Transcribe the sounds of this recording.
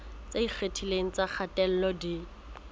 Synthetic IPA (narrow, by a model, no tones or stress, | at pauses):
t͡saik͡xʰetʰileŋ̩t͡sak͡xʰatʼɛl̩lɔdi